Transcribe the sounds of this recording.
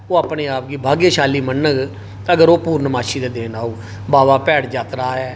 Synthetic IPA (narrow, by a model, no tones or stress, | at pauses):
oːaːpneːaːp̚ɡiːbʱaːɡeːʃaːliːmənːəɡ | əɡəɾoːpuːɾnəmaːʃiːd̪eːd̪eːnaːoː | baːʋaːpɛːɽd͡ʒaːt̪ɾaːɦɛː